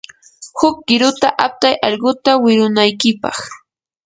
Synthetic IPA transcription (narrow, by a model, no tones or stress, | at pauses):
hʊk̚ɢɪɾʊt̪aʔap̚t̪ajʔɑʎɢʊt̪awɪɾʊnajkɪpɑ̰χ